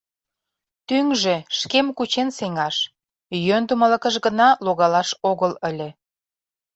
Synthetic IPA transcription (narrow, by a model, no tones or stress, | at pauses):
t̪yŋʒĕʃkemkut͡ɕenseŋɑʃ | jønd̪umələ̆kə̆ʃɣə̆nɑloɣɑlɑʃoɣələlʲĕ